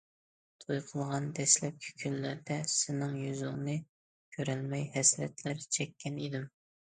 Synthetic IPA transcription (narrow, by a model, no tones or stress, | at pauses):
t̪ʰojqʰəlˠʁɑnd̪ɛslɛp̚kʲʰi̥kʲʰylːɪɾd̪ɛsɪnɪŋjyzʊŋnɨ | kʲʰøɾælmɛjhɛslɛ̰t̪læɾt͡ʃʰɛkʲʰːɛnid̪ɪm